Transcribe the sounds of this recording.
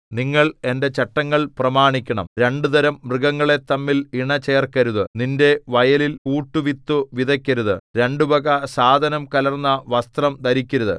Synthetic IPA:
niŋːɐɭe̞nde̞t͡ɕɐʈːɐŋːɐɭprɐmaːɳikʲːɐɳɐ̰mɾe̞ɳɖud̪ɐɾɐmːrɨɡɐŋːɐɭe̞t̪ːɐmːiliɳɐt͡ɕeːrkɐɾuðɨninde̞ʋɐjɐliluːʈːuʋit̪ːuʋid̪ɐkʲːɐɾuðɨ̰ɾe̞ɳɖubɐɣɐsaːd̪ʱɐnɐmkɐlɐrnːɐʋɐst̪rɐmd̪ɐɾikʲːɐɾuðɨ̰

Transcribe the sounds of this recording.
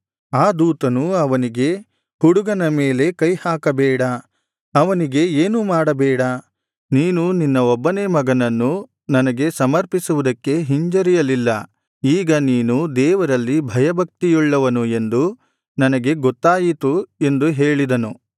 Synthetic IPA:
aːd̪uːt̪ɐnuɐʋɐniɡe̞ | huɽuɡɐnɐme̞ːle̞kɐjhaːkɐbɛːɽɐ | ɐʋɐniɡe̞eːnumaːɽɐbɛːɽɐ | niːnuninːɐɔbːɐnemɐɡɐnɐnːu | nɐnɐɡe̞sɐmɐɾpisuʋud̪ɐkːe̞ɦiɲd͡ʒɐɾijɐlilːɐ | iːɡɐniːnud̪ɛːʋɐɾɐlːibʱɐjɐbʱɐk̚t̪ijuɭːɐʋɐnue̞nd̪u | nɐnɐɡe̞ɡɔt̪ːaːjit̪ue̞nd̪uɦe̞ːɭid̪ɐnu

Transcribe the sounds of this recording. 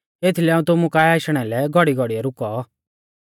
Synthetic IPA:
eːt̪ʰilɛaːũt̪ʊmukaːɛaːʃɽ̃ɛlɛɡʱɔɽiɡʱɔɽijɛɾʊkɔ

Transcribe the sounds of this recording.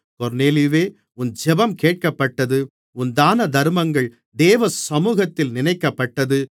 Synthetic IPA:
kɔɾneːlɪʋeː | ʊnd͡ʒɛbɐmkeːʈ̚kɐpːɐʈːɐðɯ | ʊnd̪aːnɐd̪ɐɾmɐŋɡɐɭ | d̪eːʋɐsɐmuːɣɐt̪ːɪlnɪnɐɪkːɐpːɐʈːɐðɯ

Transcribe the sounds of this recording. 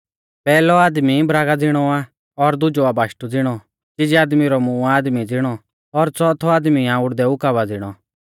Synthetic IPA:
pɛːlɔaːd̪mibɾaːɡad͡zɪɽ̃ɔa | ɔɾd̪ʊd͡ʒɔabaːʃʈud͡zɪɽ̃ɔ | t͡ʃɪd͡ʒiaːd̪miɾɔmũːaːd̪mid͡zɪɽ̃ɔ | ɔɾt͡sɔt̪ʰɔaːd̪miãʊɽd̪ɛʊkaβad͡zɪɽ̃ɔ

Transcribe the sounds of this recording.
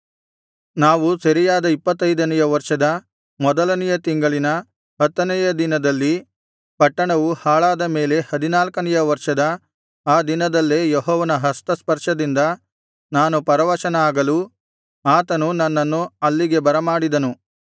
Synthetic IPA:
naːʋusɐɾijaːd̪ɐipːɐt̪ːɐjd̪ɐnɐjɐʋɐɾʂɐd̪ɐ | mɔd̪ɐlɐnijɐt̪iŋɡɐɭinɐ | ɦɐt̪ːɐnɛjɐd̪inɐd̪ɐlːi | pɐʈːɐɳɐʋuhaːɭaːd̪ɐme̞ːle̞hɐd̪inaːlkɐnɛjɐʋɐɾʂɐd̪ɐ | aːd̪inɐd̪ɐlːejɔɦɔːʋɐnɐɦɐst̪ɐspɐɾʂɐd̪ind̪ɐ | naːnupɐɾɐʋɐʃɐnɐaːɡɐlu | aːt̪ɐnunɐnːɐnːuɐlːiɡe̞bɐɾɐmaːɽid̪ɐnu

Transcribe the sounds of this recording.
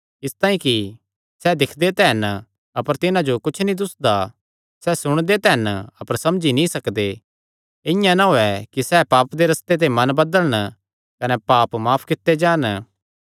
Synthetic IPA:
ɪst̪aːĩki | sɛd̪ɪkʰd̪et̪ɛːn | ɐpəɾt̪ɪnãd͡ʒokʊt͡ʃʰnĩd̪ʊsd̪a | sɛsʊɽ̃d̪et̪ɛːnɐpəɾsɐmd͡ʒinĩsɐkd̪e | ɪ̃jãnaɦoɛkisɛpaːpd̪eɾɐst̪et̪̬emɐnbɐd̪əlɽ̃ | kɐnɛpaːpmaːpʰkɪt̪ːed͡ʒãːn

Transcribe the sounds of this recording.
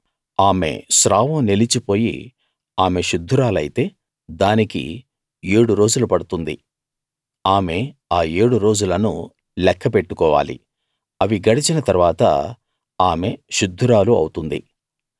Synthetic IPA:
aːme̞̰ʃɾaːʋumnelit͡ʃipo̞ːjḭ | aːme̞ʃud̪ʱːuɾaːlɐjit̪e̞ː | d̪aːnikḭ | eːɽuɾo̞ːd͡ʒulupɐɽut̪und̪ḭ | aːme̞aːeːɽuɾo̞ːd͡ʒulɐnṵ | lɛkʰːɐpeʈːukɔːʋa̰ːlḭ | ɐʋiɡɐɽit͡ʃinɐt̪ɐɾʋaːt̪ɐ̰ | aːme̞ʃud̪ʱːuɾaːluɐ̰wt̪und̪ḭ

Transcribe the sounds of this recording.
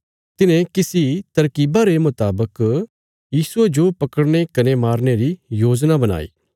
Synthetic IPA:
t̪ɪnẽkɪsit̪ɐɾkiːbaɾemʊt̪aːbək | jiːsued͡ʒopɐkəɽñekɐnemaːɾneɾijoːd͡ʒnabɐna̰ːḭː

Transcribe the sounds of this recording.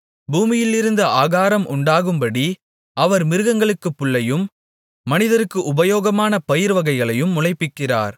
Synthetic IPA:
buːmɪjɪlːɪɾɯnd̪ɐʔaːɣaːɾɐmʔʊɳɖaːɣɯmbɐɽi | ʔɐʋɐɾmɪɾɯɣɐŋɡɐɭɯkːɯpːʊɭːɐjɯmː | ɐnɪðɐɾɯkːɯʔʊbɐjoːɣɐmaːnɐpɐjɪɾʋɐɣɐɪɣɐɭɐjɯmːʊlɐɪpːɪkːɪra̰ːɾ

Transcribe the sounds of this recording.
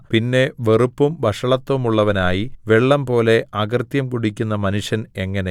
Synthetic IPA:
pinːe̞ʋe̞rupːumbʱɐʂɐɭɐt̪ːumuɭːɐʋɐnaːjiʋeɭːɐmpo̞ːle̞ɐɡɐrt̪jɐmkuɽikʲːunːɐmɐnuʂjɐne̞ŋːɐne

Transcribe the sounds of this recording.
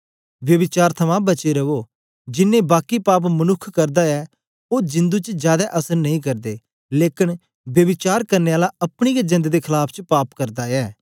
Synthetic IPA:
ʋjɐʋɪt͡ʃaːɾt̪ʰɐmãbɐt͡ʃeɾɐʋoː | d͡ʒɪnːẽbaːkipaːp̬mənʊkʰːkɐɾd̪aɛː | oːd͡ʒɪ̃nd̪uːt͡ʃd͡ʒjaːd̪aʔɐsəɾnɐĩːkɐɾd̪eː | leːkɪn | bjəʋɪt͡ʃaːɾkɐɾneːaːlaɐpɽ̃iːjad͡ʒɐ̃nd̪ed̪ekʰɪlaːpʰt͡ʃpaːpkɐɾd̪aɛː

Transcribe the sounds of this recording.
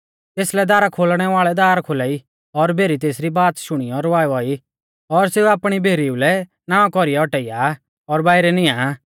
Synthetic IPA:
t̪eːslɛd̪aːɾakʰoːlɽ̃ɛʋaːɭɛd̪aːɾkʰoːlaːi | ɔɾbʱeːɾit̪̬eːsɾibaːt̪ʃʊɽ̃ijɔɾɔʋaːjɔi | ɔɾseːuaːpɽ̃ibʱeːɾiulɛ | nãːɔ̃kɔɾijaɔʈɛɪja | ɔɾbaːɪɾɛnɪ̃jã

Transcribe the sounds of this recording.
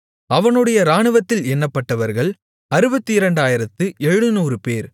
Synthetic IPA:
ɐʋɐnɯɽɐjɐɾaːɳɯʋɐt̪ːɪlɛnːɐpːɐʈːɐʋɐɾɣɐɭ | ɐɾɯbɐt̪ːɯɪɾɐɳɖaːjɪɾɐt̪ːɯʔɛɻɻɯnuːrɯpeːɾ

